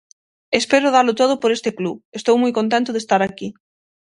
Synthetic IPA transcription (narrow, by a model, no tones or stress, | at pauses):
espeɾʊðalʊt̪oðʊpoɾest̪ekluest̪owmujkõnt̪̬ẽnt̪ʊðest̪aɾaki